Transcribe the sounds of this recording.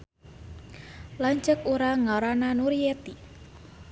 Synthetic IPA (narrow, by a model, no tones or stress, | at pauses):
laɲt͡ʃəkuɾaŋɔɾɔnanuɾiet̪i